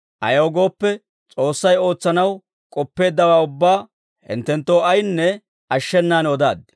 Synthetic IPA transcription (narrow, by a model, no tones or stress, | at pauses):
ʔɐjɐwɡo̞ːpːɛ | t͡sʼo̞ːsːɐjo̞ːt͡sːɐnɐw | kʼɔpːe̞ːd̪ːɐwaːʊbːaː | hɪ̰nt̪ːɛnt̪ːoːɐjnːɛ | ɐʃːɛnːaːnɔd̪a̰ːd̪ːɪ